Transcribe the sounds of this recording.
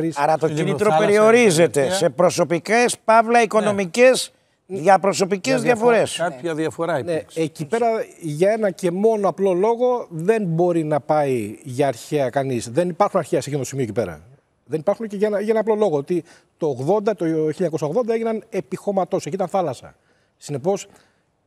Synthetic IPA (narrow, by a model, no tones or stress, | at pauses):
ɾisɐɾɐt̪oinit̪ɾopeɾio̞ɾize̞t̪e̞se̞pɾo̞so̞pikespɐvlɐiko̞no̞micez | ðʝɐpɾo̞so̞picezðjɐfoɾe̞sɐɐðiɐfoɾɐneecipe̞ɾɐʝɐe̞nɐce̞mo̞noɐplo̞lo̞ɣo̞ðe̞nbo̞ɾinɐpɐiʝɐːɾçeɐkɐnisðe̞nipɐɾxunɐɾçeɐsecinot̪osimiocipe̞ɾɐ̰ | ðe̞nipɐɾxunceʝɐenɐʝɐenɐnɐplo̞lo̞ɣoot̪i | t̪o̞ːɣðo̞nd̪ɐt̪oçilʎɐɲɐkosɐoɣðo̞nd̪ɐʝinɐne̞pixo̞mɐt̪o̞secit̪ɐnθɐlɐsɐ̰ | sine̞po̞s